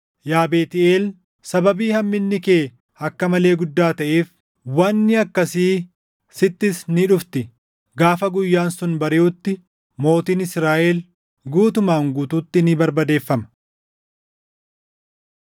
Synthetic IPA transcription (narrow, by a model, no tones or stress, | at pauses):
jaːbeːt̪ɪeːl | sɐbɐbiːhɐmːɪnːɪkeː | ɐkːɐmɐle̞ːɡʊd̪ːaːt̪ɐʔeːf | wɐnːɪɐkːɐsiː | sɪt̪ːɪsnɪᶑʊft̪ɪ | ɡaːfɐɡʊjːaːnsʊnbɐɾɪʊt̪ːɪ | mo̞ːt̪iːnɪsɾaːʔɛl | ɡuːt̪ʊmaːŋɡuːt̪uːt̪ːɪnɪbɐɾbɐd̪e̞ːfːɐmɐ̥